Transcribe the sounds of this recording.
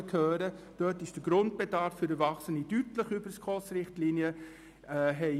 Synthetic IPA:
kʰøːɾə | d̥œtɪʃd̥əɡɾʊnt̚b̥edɑɾfːʏɾəɾvɑχsənidytləχybəɾskʰʁɔsrɪχtliːnjə | ɦɛɪ

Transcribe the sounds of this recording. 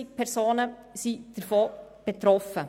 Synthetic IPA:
ɪkpʰɛɾsoːnə | sid̥əɾfoːb̥et̪ɾɔfə

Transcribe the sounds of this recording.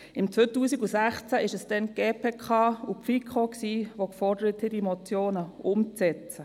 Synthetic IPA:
ɪmt͡sʋøːtuːsiɡusæχt͡sæʔɪʃəsd̥ɛnɡ̥eːpʰeːkʰɑːupfikʰχoksiːʋokfɔɾdəɾətidimot͡sjoːnəʊmt͡sɛt͡sə

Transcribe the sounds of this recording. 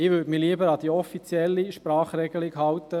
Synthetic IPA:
ɪːʋøtmɪliəbəɾɑd̥̪iɔfit͡sjɛlːiʃpɾɑːχɾɛɡəlɪkɦɑwt̪ə

